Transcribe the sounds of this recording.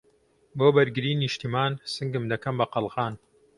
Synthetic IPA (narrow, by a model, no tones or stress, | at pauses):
boːbɐɾɡɨɾiːniʃt̪imaːnsɨŋɡɨmd̪ɐkɐmbɐqɑlˠɣaːn